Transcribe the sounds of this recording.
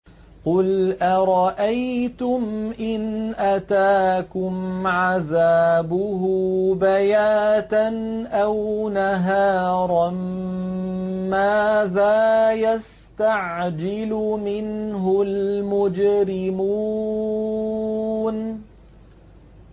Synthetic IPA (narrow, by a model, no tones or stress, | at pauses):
qʊlʔaɾˤɑʔajt̪ʊmʔɪnʔat̪aːkʊmʕaðaːbʊɦʊbajaːt̪anʔawnaɦɑːɾˤɑn | maːðaːjas | t̪aʕd͡ʒɪlʊmɪnɦʊlmʊd͡ʒɾɪmu | n